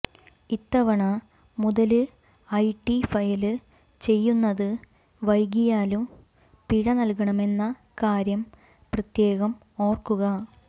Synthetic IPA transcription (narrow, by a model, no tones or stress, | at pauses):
it̪ːɐʋɐɳɐ | muðɐlɨ | ɐjʈːifɐjɐlɨ | t͡ɕe̞jːunːɐðɨ | ʋɐjɡ̬ijaːlum | piɻɐnɐlkɐɳɐme̞nːɐ | kaːɾjɐm | prɐt̪je̞ːɣɐm | o̞ːrkuɣɐ